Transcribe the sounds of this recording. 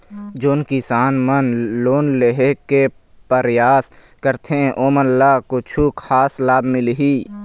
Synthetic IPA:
d͡ʒonkisaːnmənloːnleɦeke | pəɾjaːs | kəɾt̪ʰẽʔoːmənlaːkot͡ʃʰukʰaːslaːbmɪlɦiː

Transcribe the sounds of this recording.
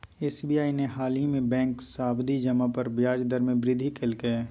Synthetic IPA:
eːsbiːaːineɦaːlimẽbɛ̃ːŋksaːbd̪ʱid͡ʒɐmapəɾbjaːd͡ʒd̪əɾmẽbɾɪd̪ʱikʰelkeɛ

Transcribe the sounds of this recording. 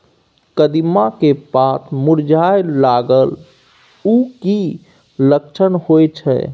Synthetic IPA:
kəd̪imakepat̪ʰmuɾd͡ʒajlaɡəl | uki | ləkt͡ʃʰənhojt͡ʃʰɛ̰

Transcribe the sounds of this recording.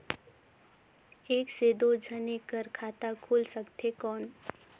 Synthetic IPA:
eːksed̪od͡ʒʱənekəɾkʰaːt̪akʰuːlsəkt̪ekɔːn

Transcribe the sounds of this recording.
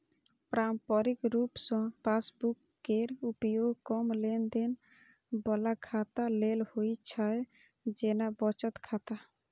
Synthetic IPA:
pɾampɔɾikɾupsɔ̃pʰaːsbukːeɾupjoɡkɔmlend̪en | bɔlakʰat̪alelhoit͡ʃʰae | d͡ʒenabɔt͡ʃət̪kʰat̪a

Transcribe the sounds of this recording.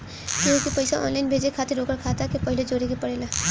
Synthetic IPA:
kjõːkipɐɪsaʔɔ̰ːnlaːɪnbʱeːd͡ʒekʰaːt̪eɾoːkəɾkʰaːt̪akepɐɦɪled͡ʒoːɾekepɐɽeːla

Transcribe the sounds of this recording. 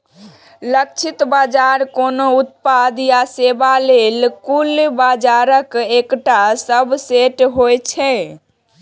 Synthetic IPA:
lək̚t͡ʃʰit̪bad͡ʒaɾkonout̪pad̪jasebalelkulbad͡ʒaɾəkekʈasəbʱseʈɦojt͡ʃʰɛ

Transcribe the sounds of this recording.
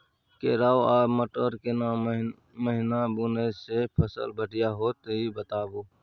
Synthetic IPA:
keːɾaːwaːməʈoɾkena | məɦɪnabunəjsepʰəsə̰lbʱəʈijaɦoːt̪əɦibət̪aːboː

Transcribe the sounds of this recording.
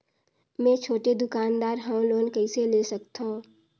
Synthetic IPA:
mɛ̃ːt͡ʃʰoːʈed̪ʊkaːnd̪aːɾɦãwloːnkəɪselesəkt̪õː

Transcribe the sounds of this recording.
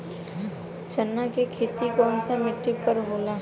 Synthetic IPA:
t͡ʃənːakekʰeːt̪ikɔːnsamɪʈːipəɾɦoːla

